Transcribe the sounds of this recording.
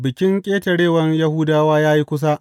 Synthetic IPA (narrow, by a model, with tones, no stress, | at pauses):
bɪ˨kʲɪ˦ŋkʲʼeː˦tɐ˨ɽeː˦˨wɐ˦ɲjɐ˦huː˦daː˦waː˦jaː˦ji˦kʷʊ˦s̬a˦ʔ